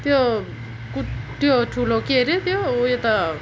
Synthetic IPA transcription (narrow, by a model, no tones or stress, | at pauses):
t̪jo | kuʈːjoʈʰulokeɾet̪joojet̪a